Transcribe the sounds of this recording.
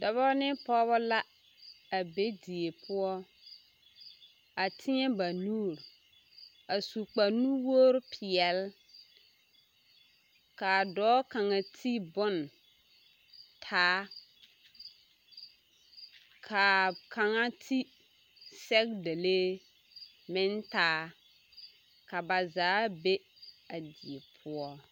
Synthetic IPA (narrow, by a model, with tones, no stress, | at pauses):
dɔ˨βɔ˦nɪ˦pɔː˦βɔ˦la˦ | a˨be˦di˨e˨pʰʊ˦ɔ˦ | a˨tʰɪ˦ɲɛ˦ba˨nuː˦˨ɾ | a˨su˨k͡pa˨nu˦wo˦ɾʊ˦pʰɪ˨ɛ˨l | ka˨dɔː˦ka˨ŋa˨tʰi˦bʊ˦n | tʰaː˦ | kʰa˨kʰa˨ŋa˦tʰi˦ | sɛ˦k̚de˨le˦ | mɪ˦ntaː˦ | ka˨ba˨zaː˨˦be˦ | a˨di˨e˨pʰʊ˦ɔ˦